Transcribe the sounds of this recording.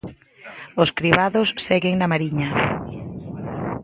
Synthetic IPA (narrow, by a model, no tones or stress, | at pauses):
oskɾiβaðossɛɣeŋnamaɾiɲa